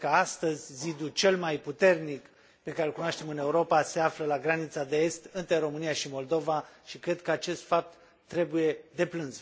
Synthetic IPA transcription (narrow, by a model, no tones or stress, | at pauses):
kəast̪əzʲːid̪ut͡ʃe̞lmajput̪e̞rnik | pe̞kaɾe̞lkunoaʃt̪e̞mɨne̞uɾo̞pase̞afləlaɡɾanit̪sad̪e̞e̞st̪ɨnt̪ɾe̞ɾo̞mɨnijaʃimo̞ld̪o̞vaʃikɾe̞d̪kəat͡ʃe̞st̪fap̚t̪ː | ɾe̞buje̞d̪e̞plɨnz